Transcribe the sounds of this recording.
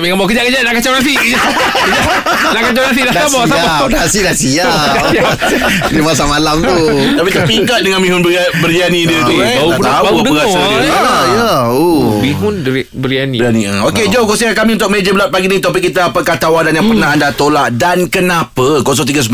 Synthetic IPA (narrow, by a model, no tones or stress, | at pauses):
mikambɔkəd͡ʒaʔkəd͡ʒanaʔkat͡ʃawnasi | kəd͡ʒaʔ | nakat͡ʃawnasidadabɔab | dasidasia | a | dimasamalamt̪u | apit̪apiŋkat̪̚dəŋanmĩɦʊnbbərianĩdiət̪uaup̪abauəɡasaəjaomiɦʊn | bəɾianianioked͡ʒokosiakamĩunt̪ʊkmẽd͡ʒəbəlat̪̚paɡinĩt̪uap̬ikit̪aːpakat̪awadanjaŋpərnaɦandat̪olaʔ̚dankənãpakos̬ɔŋt̪iɡas̬m